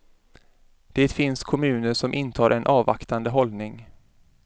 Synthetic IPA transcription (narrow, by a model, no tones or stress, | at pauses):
d̪̥eːt̪fɪnskʰɔmʉ̟ːnəʂɔmʔɪnt̪ʰɑːɾʔɛnʔɑːva̰kt̪and̪əɦɔlnɪŋ